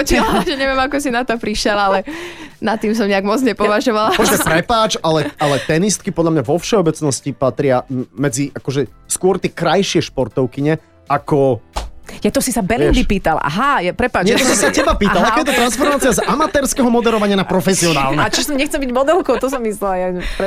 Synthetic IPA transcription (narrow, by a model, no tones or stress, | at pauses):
ɔt͡ʃiaʒɛɲɛʋɪɛmakɔsinat̪ɔpɾiʃɪɛlalɛnat̪iːms̬ɔmɲɛaɡmɔd͡zɲɛpɔʋaʒɔʋalapɔɛpɾɛpaːt͡ʃalɛalɛt̪ɛnist̪̚kipɔd̪ʎlamɲaʋɔfʃɛɔbɛt͡snɔscipat̪ɾɪamɛd͡ziʔakɔʒɛskʊɔɾt̪ɪɛkɾajʃɪɛʃpɔɾt̪ɔʊkiɲɛ | akɔ | jat̪ɔsisabɛliind̪ipiːt̪ala̰ɦajapɾɛpaːt͡ʃɲɛɛɔsɔ̃msacɛbapiːt̪alakɔjɛt̪ɔt̪ɾansfɔɾmaːt͡siazamat̪ɛːɾskɛɦɔmɔd̪ɛɾɔʋaɲɪanapɾɔfɛsiɔna̰ːlˠnɛat͡ʃɔsɔmɲɛxt͡sɛlbiɟmɔd̪ɛlkɔʊt̪ɔs̬ɔmːislɛlajap